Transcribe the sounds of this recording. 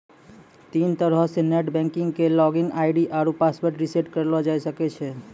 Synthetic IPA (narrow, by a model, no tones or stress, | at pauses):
t̪int̪əɾəɦseneʈbɛ̃ŋkĩŋɡkelɔɡiŋɡaɪɖiʔaɾupaspəɾʈɾiseʈkəɾlɔd͡ʒajsəkɛt͡ʃʰɛ